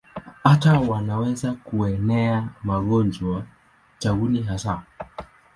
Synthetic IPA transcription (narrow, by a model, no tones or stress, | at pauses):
hatawanawɛzakuɛnɛamaɠɔnd͡ʒwa | t͡ʃaɡuniɦasa